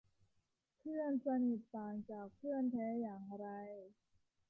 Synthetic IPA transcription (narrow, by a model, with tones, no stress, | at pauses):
pʰɯ˥˩ənsa˧ni˨˩t̪̚ːaː˨˩nt͡ɕaː˨˩k̚pʰɯ˥˩ənt̪ʰɛː˦˥jaː˨˩ŋ˧ɾa˧j